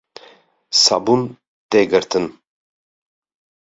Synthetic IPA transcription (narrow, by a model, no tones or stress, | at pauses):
sɑ̰bun | t̪eɡɨɾt̪ɨn